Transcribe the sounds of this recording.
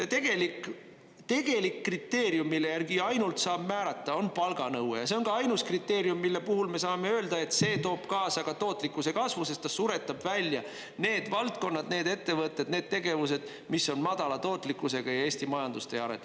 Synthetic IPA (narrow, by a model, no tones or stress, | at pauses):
set̪e̞ɡ̥e̞lik | t̪e̞ɡ̥e̞likːrit̪ːe̞ːɾjumːilːe̞jærɡ̥iɑjnult̪sɑːb̥mæːɾɑt̪ːˑɑo̞npɑlɡɑnɤwejɑs̬e̞o̞ŋɡɑɑjnuskrit̪ːe̞ːɾjumːilːe̞puɦulme̞sɑːme̞ø̞ːld̪̥ɑe̞t̪se̞ːt̪o̞ːb̥kɑːsɑɡ̥ɑt̪o̞ːt̪ːˑlikːˑuse̞kɑsvuse̞st̪ːɑssːuɾe̞t̪ːˑɑbvælʲjɑ | ne̞ːd̪vɑlt̪̚ko̞nːɑd̪̥ne̞ːd̪e̞t̪ːe̞vɤt̪ːˑed̪̥ne̞ːd̪̥̚t̪e̞ɡe̞vuse̞d̪̥ | misːo̞nmɑd̪̥ɑlɑt̪o̞ːt̪ːˑlikːˑuse̞ɡ̥ɑjɑe̞ːsʲt̪imɑjɑnd̪ust̪e̞ɑɾet̪ː